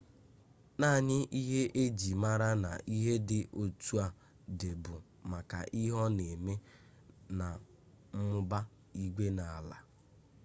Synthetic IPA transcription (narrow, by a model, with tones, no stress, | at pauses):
na˦˨ɲɪ˦ʔi˦ɦe˦ʔe˦d͡ʒi˨ma˦ɾa˦na̰˨ʔi˦ɦe˦dɪ˦ʔo˨tu˦a˦ | de˨bʊ˨ | ma˨ka̰˨ʔi˦ɦɔ˦ne˨me˦ | na˨ | m̩˦mʊ˦ba˦ | i˦ɡʷe˦na˨a˨la̰˨